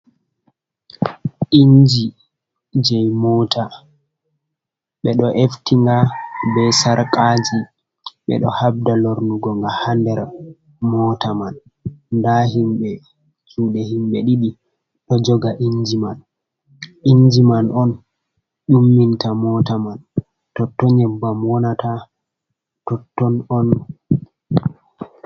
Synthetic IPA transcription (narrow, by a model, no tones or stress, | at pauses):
ʔiɲd͡ʒi | d͡ʒɛjmɔtʰa | ɓɛɗɔʔeftiŋɡabɛsaɾkʼad͡ʒi | ɓɛ̰ɗɔ̰hab̚daloɾnuɡɔŋɡahandɛɾ | mɔtaman | ndaɦimɓɛ | t͡ʃuːɗɛhimɓɛɗiɗi | ɗɔd͡ʒɔɡaʔiɲd͡ʒiman | iɲd͡ʒimanɔn | ɗumːintamɔtaman | tɔtːɔɲɛbːamwɔnata | tɔtːɔnɔn